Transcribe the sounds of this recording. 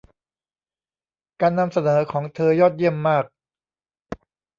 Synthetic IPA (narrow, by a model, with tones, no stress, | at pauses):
kaː˧nːa˧msa˧nɤː˩˦kʰɔː˩˦ŋt̪ʰɤː˧jɔː˥˩t̪̚ji˥˩əmːaː˥˩k̚